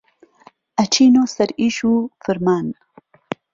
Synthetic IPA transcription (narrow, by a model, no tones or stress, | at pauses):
at͡ʃinosaɾiʃufɪɾmaːn